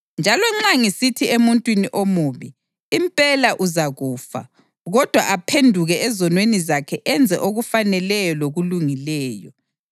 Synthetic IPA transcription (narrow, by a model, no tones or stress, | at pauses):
nd͡ʒʱalɔŋ͡ǁaŋisitʰiemuntʼwiniʔomuːβiː | mpʼɛlaʔuzaɣuːfa̰ | ɣɔd̥ʱwaʔapʰendʱuɣɛɛzɔnwenizakʰɛʔɛnd͡zʱɛʔoɣufanɛlɛjɔloɣuluŋilɛːjɔ